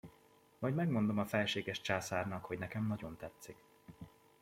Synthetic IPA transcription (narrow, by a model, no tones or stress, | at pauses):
mɒjɟmɛɡmo̞nd̪o̞mɒfɛlʃeːɡɛʃt͡ʃaːsaːrnɒkho̞ɟnɛkɛmnɒɟo̞nt̪ɛt̪sik